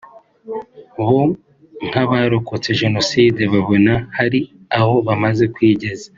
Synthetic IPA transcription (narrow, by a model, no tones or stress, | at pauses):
βo | ŋ̥haβaːɾokot͡se̞ʒe̞no̞siːdeβaβonahaɾi | aho̞βamaze̞kwiːɟe̞za